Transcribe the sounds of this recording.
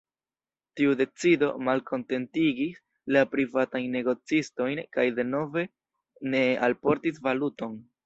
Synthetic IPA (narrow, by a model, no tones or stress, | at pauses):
tiude̞t͡sido̞̰malkʰo̞nte̞ntiɡis | lapɾivatajnːe̞ɡo̞t͡sisto̞jnkajde̞no̞ve̞ | ne̞alpo̞ɾtisvaluto̞n